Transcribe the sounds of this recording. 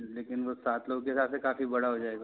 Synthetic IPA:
leːkɪnʋosaːt̪ʰloːɡkeɦɪsaːt̪sekaːfibɐɽaɦod͡ʒaːeːɡaː

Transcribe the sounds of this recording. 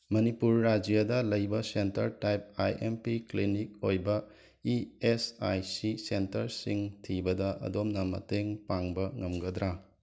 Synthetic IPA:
mɐnipuɾːad͡ʒjadɐlɐjbɐsentɐɾtajp̚a̰jempiklinik̚ojbɐ | iesa̰jsisentɐɾsiŋtʰibɐdɐʔɐ̰domnɐmɐ̰teŋpaŋbɐŋɐmɡɐd̪ɾa

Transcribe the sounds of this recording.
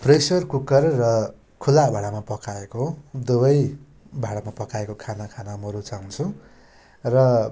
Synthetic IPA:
prʌjsʌrkukʌrːʌ | kʰulabʱaɽamapʌkaekod̪ubʌj | bʱaɽamapʌkaekokʰanakʰanamʌɾut͡saŋt͡sʰu | rʌ

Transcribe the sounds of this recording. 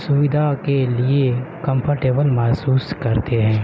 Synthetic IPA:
sʊʋɪd̪ʱakeliekɐ̃mpʰəɾʈeːbəlmɛɦsuːskɐɾt̪eɦɛ̃ː

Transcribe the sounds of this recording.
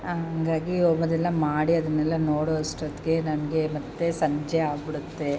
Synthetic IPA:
aɦɦɐːɡaːɡioːmɐd̪ɛlːɐmaːɽiɐd̪ɐnːɛlːɐnoːɽoɐsʈɾɐd̪kenɐmɐɡemɐt̪ːesɐɲd͡ʒeaːbiɽut̪ːe

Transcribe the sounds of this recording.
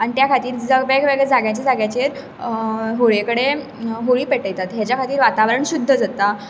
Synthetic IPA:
anit̪jakʰat̪iːɾd͡zəɡbɛkʋəɡəd͡zaɡjãt͡ɕad͡zaɡjat͡ɕeɾ | ɦoɭekəɽe | ɦoɭiːpeʈəjt̪at̪ɦjat͡ɕjakʰat̪iːɾʋat̪aʋɾəɳɕud̪ʱːəd͡zat̪a

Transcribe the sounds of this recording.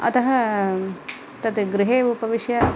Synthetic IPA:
ɐ̰t̪ɐɦɐ | t̪ɐt̪ɡɾɪɦeːupɐʋiʃjɐ

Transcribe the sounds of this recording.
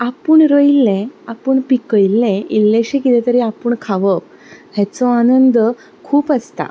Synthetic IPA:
apəɳɾəjlːẽapəɳpikəjlːẽilːeɕekit̪ɛ̃t̪əɾiapəɳkʰaʋəp | ɦjɛt͡sɔanənd̪ | kʰuːpəst̪a̰

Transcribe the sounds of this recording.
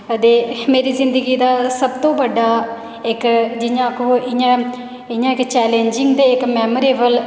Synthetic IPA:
əd̪eːmeːɾiːzɪ̃nd̪əɡiːd̪aːsəbt̪õːbəɖaː | ɪkd͡ʒɪjãːkoːɪjãː | ɪjãːɪkt͡ʃɛːleːnd͡ʒɪŋɡd̪eːɪkmɛːməɾeːbəl

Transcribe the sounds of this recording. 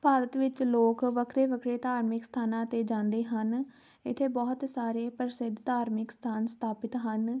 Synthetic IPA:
paːd̪ət̪ʋɪt͡ʃloːkʋəkʰɾeːʋəkʰɾeːt̪aːɾmɪkst̪ʰaːnãːt̪eːd͡ʒãːnd̪eːɦən | ɪt̪ʰːeːbɔːt̪saːɾeːpəɾɪsɪd̪t̪aːɾmɪkst̪ʰaːnst̪ʰaːpɪt̪ɦən

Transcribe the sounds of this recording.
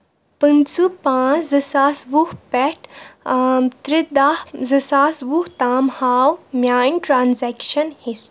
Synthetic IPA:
pɨnt͡supãːt͡szɨsaːsʋuhpɛʈ | t̪ɾid̪ahzɨsaːsʋuht̪aːmhaːwmjaːjnʈɾaːnzɛkʃɐnhis

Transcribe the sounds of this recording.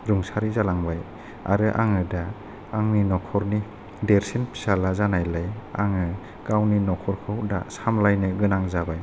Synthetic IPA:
ɾuŋsaɾizalaŋbaj | a̰ɾɯʔa̰ŋɯdaː | ŋninɔkʰɔɾni | deɾsinpʰi̥salazanajlajaŋɯ | kawninɔkʰɔɾkʰɯwdasamlajnɯɡɯnaŋzabaj

